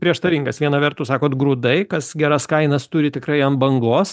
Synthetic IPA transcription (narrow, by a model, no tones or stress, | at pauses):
pʲɾʲiɛʃt̪ɐʋʲiːŋɡɐsʋʲiɛnɐʋʲɛɾt̪ʊsɑːkoːt̪ɡɾuːd̪ɐɪkɐsɡʲæːɾɐskɐɪnɐst̪ʊɾʲɪt̪ʲɪkɾɐɪɐnbɐŋɡlˠoːs